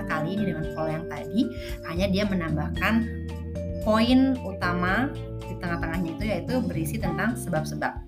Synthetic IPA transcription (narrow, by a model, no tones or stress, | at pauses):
əkaliːnidəŋankojaŋt̪adi | haɲadiamənambahkan | koɪnut̪ama | dit̪əŋaht̪əŋahɲait̪ujait̪ubəɾisit̪ənt̪aŋsəbap̚səbap̚